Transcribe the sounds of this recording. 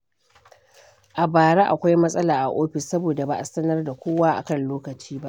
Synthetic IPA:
ʔa˨baː˨ɽa˦ʔa̰˨kʷa˦jmɐ˦sʼɐ˦laː˨ʔa̰˨ʔoː˦ɸɪ˨sːɐ˦boː˨da˨ba˨ʔa˨sɐ˦nɐ˦rda˨kʷoː˦waː˦ʔa̰˨kɐ˦˨nloː˦kɐ˨t͡ʃiː˦ba˦ʔ

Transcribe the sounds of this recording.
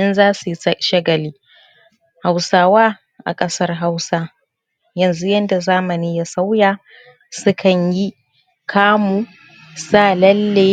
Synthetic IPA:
ʔɪ˦nzaː˦su˨˦ʃɐ˦ɡɐ˨liː˦ | ha˨wsaː˦waː˦ | ʔa̰˨kʼɐ˦sɐ˦rɦa˦wsa˦ | jɐ˨nzu˦jɐ˦nda˨zaː˦mɐ˨niː˦ja˦sa˦wjaː˨ | sʊ˦kʰɐ˨ɲji˦ | kʰaː˦muː˨ | saː˦˨lɐ˦lːe˦

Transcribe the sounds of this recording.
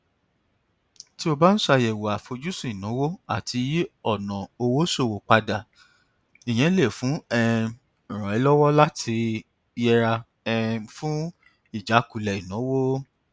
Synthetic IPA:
ti˦o˧ba˦n̩˦sa˧˨jɛ˨wo˨a˨fo˧d͡ʒu˦sũ˦˨i˨nɔ̃˨˦wo˦a̰˦˨ti˧˦i˦ɔ˦˨nã˨o˧wo˦so˦˨wo˨k͡pa˧da˨ | i˨j̃ɛ̃˨˦le˦˨fũ˨˦ɛ˦˧˨ | ɾ̃ɔ̃˨ɛ˨˧˦lɔ˦wɔ˦la˦tʰi˧˦ | ɛ˧ɾa˧ | ɛ˧fũ˦ | i˦˨d͡ʒa˨˦ku˨lɛ˨i˨nɔ̃˨˦wo˦

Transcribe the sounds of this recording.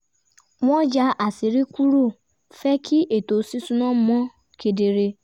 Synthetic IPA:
w̃ɔ̃˦d͡ʒa˧˦ʔa˨si˨˦ɾi˦ku˦ɾo˦˨ | fɛ˦kʰi˦ʔe˦˨to˨˦si˦sũ˦nã˦mɔ̃˦ | kʰe˧de˧ɾe˧

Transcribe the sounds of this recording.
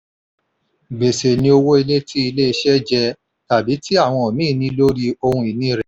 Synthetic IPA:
ɡ͡be˨se˨nĩ˧o˧wo˦i˧le˦tʰi˦i˧le˦i˧ʃɛ˦d͡ʒɛ˧ | ta˨bi˨˦ti˦a˦˨w̃ɔ̃˧ɔ˨mĩː˦˨nĩ˧˦lo˦ɾi˧o˧hũ˧i˨nĩ˦ɾɛ˨

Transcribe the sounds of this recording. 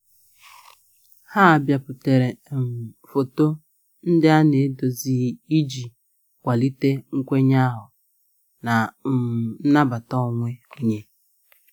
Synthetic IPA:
ha˦a˨bja˨pʊ˨te˨ɾe˨m̩˨fo˨to˦ | n̩˦dɪ˦a˦ne˨e˦do˨zi˦i˦d͡ʒi˨ | kʷa˨li˦te˦ŋ̩˦kʷe˦ɲa˦ɦʊ˨ | na˨˦˨ | n̩˦na˦ba˨tɔ˦˨ŋʷe˦o˦ɲe˦

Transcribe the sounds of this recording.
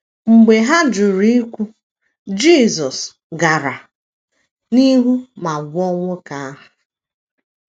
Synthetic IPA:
ŋ͡m̩˨ɡ͡be˨ɦa˦d͡ʒʊ˨ɾi˦i˦kʷu˦ | d͡ʒiː˦˨zɔ˨s | ɡa˨ɾa˨ | ni˦ɦu˦ma˨ɡʷɔ˦ŋʷʊ˦ka˨a˦ɦʊ˨

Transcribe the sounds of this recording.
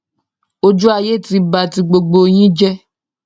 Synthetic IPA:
o˦d͡ʒu˦a˧je˦ti˧ba˨ti˧ɡ͡bo˧ɡ͡bo˧j̃ĩ˦d͡ʒɛ˦

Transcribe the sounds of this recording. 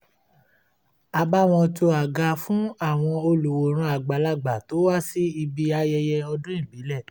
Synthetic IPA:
a˨ba˦˨w̃ɔ̃˧to˧a˨ɡa˧fũ˦a˦˨w̃ɔ̃˧o˧lu˨wo˨ɾ̃ũ˧a˨ɡ͡ba˨la˦˨ɡ͡ba˨to˨˦wa˦si˦i˧bi˧a˧jɛ˧jɛ˧ɔ˧dũ˦ĩ˦˨bi˨˦lɛ˦˨

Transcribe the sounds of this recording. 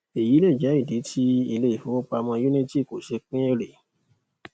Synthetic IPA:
e˨ji˨˦le˦˨d͡ʒɛ˨˦i˦˨di˨˦tʰi˦i˧le˧i˨fo˨˦o˦k͡pa˧mã˧ju˦nĩ˦ti˦˨ko˨ʃe˧k͡pĩ˦e˦ɾe˨

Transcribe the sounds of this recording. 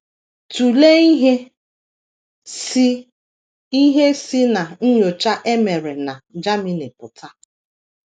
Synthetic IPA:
tu˨le˦i˦ɦe˦ | si˦ | i˦ɦe˦si˦na˨n̩˦ɲo˨t͡ʃa˦ʔe˦me˨ɾe˨na˨d͡ʒa˦mi˦ne˨pʊ˨ta˦

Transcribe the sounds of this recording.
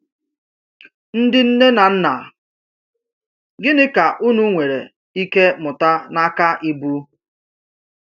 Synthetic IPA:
n̩˦dɪ˦n̩˦ne˦na˨n̩˦na˨ | ɡɪ˦nɪ˦ka˨ʔu˦nu˦ŋʷe˨ɾḛ˨ | i˦ke˦mʊ˨ta˦na˦ka˦ʔɪ˦bu˦

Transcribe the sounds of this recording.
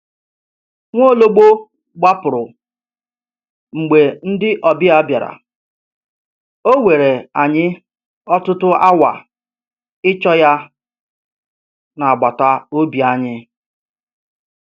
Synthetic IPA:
ŋʷo˦˨lo˦ɡ͡bo˦ | ɡ͡ba˦pʊ˨ɾʊ˨ | ŋ͡m̩˨ɡ͡be˨n̩˦dɪ˦ʔɔ˨bɪ˦a˦bja˨ɾa̰˨ | o˦ŋʷe˨ɾe˨a˨ɲɪ˦ | ɔ˦tʊ˦tʊ˦ʔa˦wa̰˨ | ɪ˦t͡ʃɔ˦ja˦ | na˨a˨ɡ͡ba˨ta˦o˦bi˨a˦ɲɪ˦

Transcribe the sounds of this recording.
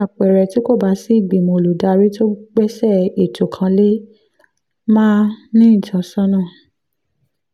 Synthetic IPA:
a˨k͡pɛ˨ɾɛ˨ti˨˦ko˦˨ba˧˦si˦i˦˨ɡ͡bi˨mo˧˨lo˨da˧ɾi˦to˦ɡ͡bɛ˦sɛ˦˨e˨to˨kʰã˧le˦ | mãː˦nĩ˦ĩ˦˨d͡ʒɔ̃˨˦sɔ̃˦nã˦˨

